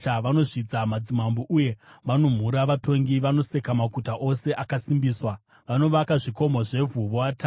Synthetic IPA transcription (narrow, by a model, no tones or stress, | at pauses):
aʋano̞ʐid͡zamad͡zimamboʔuje̞ʋano̞m̤uɾaʋato̞ŋɡiʋano̞se̞kamakutaʔo̞se̞ʔakasimbiːswa | ʋano̞ʋakaʐiko̞mo̞ʐe̞vʱuʋoata